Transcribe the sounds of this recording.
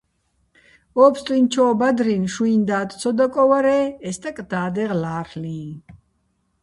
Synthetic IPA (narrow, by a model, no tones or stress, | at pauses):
ɔːpst̪ʼint͡ʃʰɔːbad̪ɾinʃuind̪aːt̪t͡sʰɔd̪akʼɔwaɾɛːɛst̪ʼakʼd̪̥aːd̪ɛʁlaːɾlĩː